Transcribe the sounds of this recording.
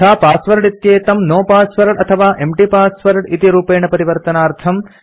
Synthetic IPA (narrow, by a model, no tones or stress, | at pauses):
aːpaːsʋɐɾɖit̪jeːt̪ɐmnoːpaːsʋɐɾɖɐt̪ʰɐʋaːʔemʈipaːsʋɐɾɖit̪iɾuːpeːɳɐpɐɾiʋɐɾt̪ɐnaːɾt̪ʰɐm